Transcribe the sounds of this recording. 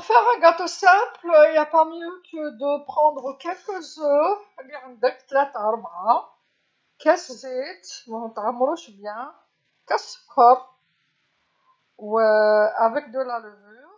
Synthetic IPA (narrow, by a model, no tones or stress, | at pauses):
fɛʁɛ̃ɡat̪osɛ̃pliljapamjøkəd̪əpχɑ̃d̪ʁəkɛlkəzøʁliʕənd̪əkt̪læt̪əɾˤbʕa | kɛszit̪w̃t̪ʕamːɾuʃbjɛ̃ | kɛskʰɔp | wəavɛk̚d̪əlaləvyʁ